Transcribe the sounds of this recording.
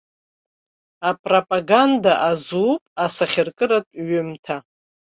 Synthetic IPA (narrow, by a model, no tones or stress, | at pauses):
apʼropʼaɡandaʔazupʼasaχʲɪrkʼɨɾatʷʼɥʏmtʰa